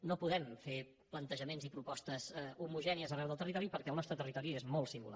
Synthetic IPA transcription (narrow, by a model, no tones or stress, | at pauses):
nopuðɛmfe | plənt̪əʒəmenzipɾupɔst̪əz̥umuʒɛniəzərɛwðəlˠt̪ərit̪ɔɾipəɾkɛəlˠnɔst̪ɾət̪ərit̪ɔɾiezmolˠsimbṵla̰